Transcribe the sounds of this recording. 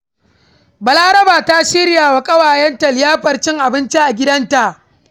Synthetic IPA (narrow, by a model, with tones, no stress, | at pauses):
bɐ˨laː˦ɾɐ˦baː˨ta˦ʃɪ˦ɾjaː˨wa˨kʼɐ˦waː˨jɛ˦nta˨lɪ˨jaː˦ɸɐ˨rt͡ʃɪ˦ŋʔa˨bɪ˦nt͡ʃi˦ʔa˨ɡʲɪ˦dɐ˦nta˨ʔ